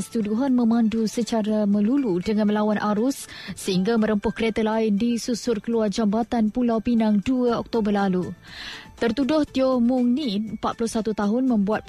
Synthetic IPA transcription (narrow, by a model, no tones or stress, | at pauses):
st̪uduɦanmə̃mãndusət͡ʃaɾamə̃luludəŋãnməlawanʔaɾʊsːəɦiŋɡaməɾəmpʊhkəɾet̪əlaɪndisusʊrkəluard͡ʒambat̪anpulawpinaŋduəɔk̚t̪obərlalu | t̪ərt̪udʊht̪iomuŋnitmpat̪̚pulʊhsat̪ut̪aɦʊnmə̃mbuat̪̚